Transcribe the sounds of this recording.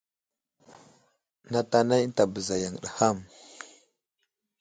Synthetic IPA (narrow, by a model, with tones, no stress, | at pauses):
na˦ta˦na˦n˦ta˨bə˨za˨ja˨ŋ˨ɗa˨ha˦˨m